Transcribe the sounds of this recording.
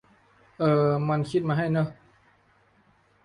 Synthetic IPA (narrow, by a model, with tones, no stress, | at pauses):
ʔɤː˧˩ma˧nkʰi˧t̪̚maː˧ɦa˥˩jnɯ˧˩